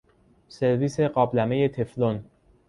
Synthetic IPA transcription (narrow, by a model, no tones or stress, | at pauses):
se̞ɾviːse̞ɢɒːblæme̞je̞t̪ʰeflon